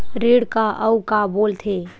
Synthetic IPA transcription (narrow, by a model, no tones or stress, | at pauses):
ɾiɽkaʔəukaboːlt̪ʰe